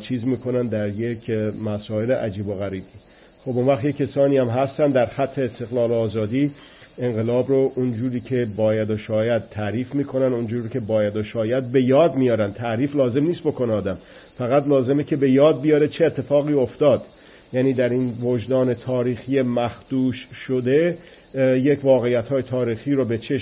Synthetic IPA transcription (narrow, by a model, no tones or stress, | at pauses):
t͡ʃʰiːzmiːkʰo̞nænd̪æɾjekʰmæsɒːeleʔæ̰d͡ʒiːboɣæɾiːbi | xobunvæxt̪jekʰːesɒːniːæmɦæst̪ænd̪æɾxæt̪ʰːe̞ːst̪e̞ɣlɒːloːzɒːd̪iː | e̞ŋɢe̞lɒːbɾoʔund͡ʒuːɾiːkʰe̞bɒːjæd̪oʃɒːjæd̪̚t̪ʰːæɾiːfmiːkʰo̞nænund͡ʒuːɾicʰe̞bɒːjæd̪oʃɒːjæd̪̚be̞jɒːd̪mijɒːɾænd̪t̪ʰæʔɾiːflɒːze̞mniːst̪̚bo̞koneɒːd̪æm | fæɣæt̪lɒːze̞mekʲʰe̞be̞jɒːd̪̚bijɒːɾet͡ʃʰe̞ːt̪ʰːe̞fɒːɣiːo̞ft̪ɒːd̪ | jæːniːd̪æɾinvod͡ʒd̪ɒːne̞t̪ʰɒːɾiːxijemæxd̪̥uːʃʃod̪e | jecʰvɒːɣe̞jːæt̪hɒːjet̪ʰɒːɾiːxiːɾobe̞t͡ʃʰeʃ